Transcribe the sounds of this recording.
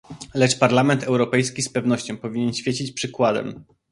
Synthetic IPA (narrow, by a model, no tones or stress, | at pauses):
lɛt͡ʂpaɾlamɛnt̪ɛwɾɔpɛjskʲispɛvn̪ɔɕt͡ɕɔ̃w̃pɔvʲiɲɛnɕfʲjet͡ɕit͡ɕpʂɘkwad̪ɛ̰m